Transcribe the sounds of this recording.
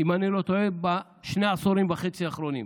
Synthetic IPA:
imanilo̞t̪oeba | ʃneasoɾimbaχet͡siaχɾo̞nḭm

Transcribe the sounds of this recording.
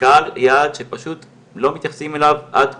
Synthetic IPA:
kaljaːd̪ʃepaʃut̪ | lo̞mit̪jaχsimelavʔad̪

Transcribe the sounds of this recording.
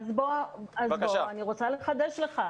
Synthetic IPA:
zboazboaniʁot͡saleχad̪eʃle̞χa

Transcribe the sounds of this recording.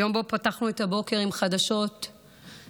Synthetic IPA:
jo̞mbo̞pataχnuetabo̞ke̞ʁimχadaʃo̞t

